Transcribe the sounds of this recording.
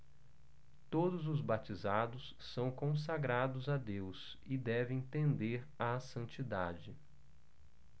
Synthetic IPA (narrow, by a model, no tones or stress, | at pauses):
t̪od̪ʊzʊzbat͡ʃizad̪ʊsːɐ̃w̃kõs̬aɡɾad̪ʊzad̪ews | ɪd̪ɛvẽj̃t̪ẽnd̪eɾ | asɐ̃nt͡ʃid̪ad͡ʒɪ